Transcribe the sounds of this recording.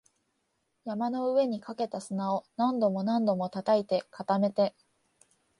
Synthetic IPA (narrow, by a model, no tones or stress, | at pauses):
jamano̞ɯ̟e̞ɲ̟ikake̞t̪asɨnao̞nãnd̪o̞mo̞nãnd̪o̞mo̞t̪at̪ait̪e̞kat̪ame̞t̪e̞